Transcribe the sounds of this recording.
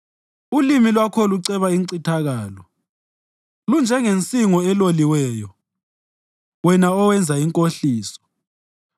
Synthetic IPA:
ulimilwakʰɔluǀɛβaiŋǀitʰaɣaːlɔ | lund͡ʒʱɛŋent͡sʼiŋɔɛloliwɛːjɔ | wɛnaɔwɛnd͡zʱaiŋkʼoɬiːsɔ̥

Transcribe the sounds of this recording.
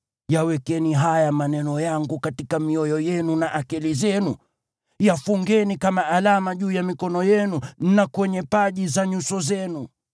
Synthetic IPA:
jawɛkɛniɦajamanɛnɔjaŋɡukatikamiɔjɔjɛnunaʔakɛlizɛnu | jafuŋɡɛnikamaʔalamaʄuːjamikɔnɔjɛnunakwɛɲɛpaʄizaɲusɔzɛnu

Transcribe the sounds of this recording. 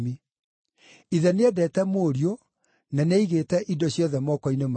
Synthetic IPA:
mi | iðɛneɛdɛːtɛmoːɾio | naneiɣetɛʔidɔɕjɔðɛmɔkɔinem

